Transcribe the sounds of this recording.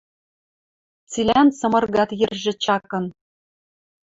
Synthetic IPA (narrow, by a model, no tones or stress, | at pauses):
t͡silʲænsɤ̆mɤ̆rɣɑt̪jɘ̆rʒɘ̆t͡ɕɑkɤ̆n